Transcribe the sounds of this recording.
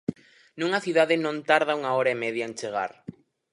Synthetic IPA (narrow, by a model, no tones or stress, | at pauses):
nũŋɐθiðaðɪnõnt̪aɾð̞auŋaɔɾaemɛðjaent͡ʃeɣ̞a̰ɾ